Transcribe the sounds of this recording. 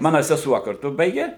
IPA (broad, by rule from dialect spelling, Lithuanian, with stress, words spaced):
ˈmɑːnɐ sʲɛˈsuɔ kɐrˈtʊ ˈbɐɪɡʲeː